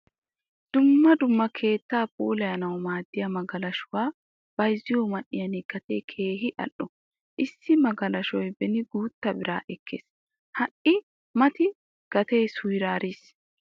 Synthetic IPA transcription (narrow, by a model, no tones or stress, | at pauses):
d̪̥ʊmːɐd̪ʊmːɐkʰe̞ːt̪ːaːpʼuːlɐjɐnɐwɔmaːd̪ːɪjɐmɐɡɐlɐʃʊwaː | b̥ɐjzɪjɔːmɐʔɪjɐniɡ̥ɐt̪eːkʰe̞ːɦɪʔɐ̰ʔɔ | ʔɪsːɪmɐɡɐlɐʃɔjbɛnɪɡuːt̪ːɐbɪɾa̰ːʔɛkʰːḛːs | hɐʔɪ | mɐt̪ɪ | ɡ̥ɐt̪eːsʊjɾaːɾiːs